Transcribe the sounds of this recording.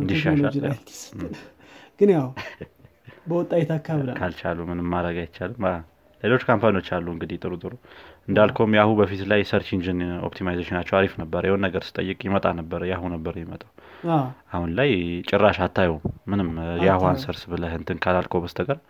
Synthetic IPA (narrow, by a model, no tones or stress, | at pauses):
ɨnd̪iʃːaʃad͡ʒa | ɡ̥ɨnjaw | bəwɔt̪ʼːajɛt̪akʰːaβɨlkʰalt͡ʃalumɨnɨmːaɾəɡajt̪t͡ʃːalɨma | le̞lo̞t͡ʃːkʰampʰanio̞t͡ʃːalːuɨŋɡɨd̪it̪ʼɨɾut̪ʼɨɾuɨnd̪alkʰomjahubəfit̪lajsəɾt͡ʃind͡ʒɨno̰pt̪ʰimajzeʃɪnat͡ʃːɛwaɾifnəbːəɾəjɛhonːəɡəɾsɨ̥t̪ʼə̰jːɨkʼjɪmət̪ʼanəbːəɾəjahunəbːəɾəjɛmət̪ʼawaʔahunlajt͡ʃʼɪrːaʃat̪ʰːajummɨnɨmjahuansəɾsbɨləhɨnt̪ʰɨnkʰalalkʰowbəst̪ʰəɡəɾ